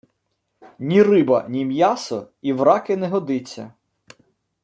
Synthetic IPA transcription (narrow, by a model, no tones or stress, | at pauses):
nʲirɪbɐ̰nʲimjɑsɔ | iwɾɑkɪnɛɦɔd̪ɪt͡sʲːɐ̰